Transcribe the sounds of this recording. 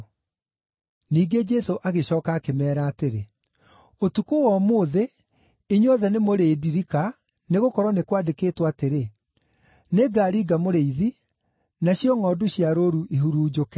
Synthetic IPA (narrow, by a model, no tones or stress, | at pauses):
niːɡed͡ʒɛsoʔaɣeɕɔːkaːkemɛːɾaːteɾe | otukowɔmoːðe | iɲɔðɛnemoɾeːdiɾika | neɣokɔɾwɔnekwadekeːtwateɾe | neɡaːɾiːɡamoɾeiði | naɕjɔŋɔːdoɕiaɾoɾuʔiɦuɾuːd͡ʒokɛ